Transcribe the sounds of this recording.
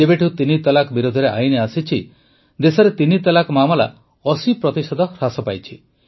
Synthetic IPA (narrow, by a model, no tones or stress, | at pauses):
ebeʈʰut̪init̪ɔlakɔbiɾod̪ʱɔɾeʔa̰jneasit͡ʃʰi | d̪esɔɾet̪init̪ɔlakɔmamɔla̰ | ɔsipɾɔt̪isɔd̪ɔɾasɔpajt͡ʃʰi